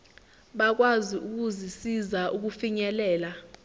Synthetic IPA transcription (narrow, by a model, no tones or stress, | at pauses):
ɓak̬waziʔuk̬uzisizaʔuk̬ufiɲɛlɛːla